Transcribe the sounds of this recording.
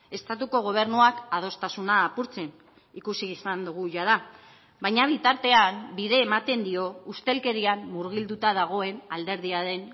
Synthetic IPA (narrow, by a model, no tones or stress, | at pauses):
e̞st̪at̪uko̞ɣ̞o̞β̞e̞ɾnuakað̞o̞st̪asunaːpuɾt͡se̞n | ikusiːsand̪uɣ̞uʝaða | βajɲaβ̞it̪aɾt̪e̞ambiðe̞ːmat̪e̞nd̪io̞ust̪e̞lke̞ɾiamːuɾɣild̪ut̪að̞aɣ̞o̞e̞nald̪e̞ɾð̞iaɾe̞n